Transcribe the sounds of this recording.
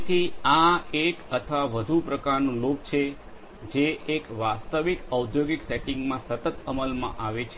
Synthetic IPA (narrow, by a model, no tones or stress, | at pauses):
t̪ʰiaekət̪ʰʋaʋəd̪ʱupɾəkaɾnũlok̚t͡ʃʰe | d͡ʒeʔekʋast̪əʋikəud̪joɡikseʈiŋɡmãsət̪ət̪əməlmã̰ʔaʋet͡ʃʰ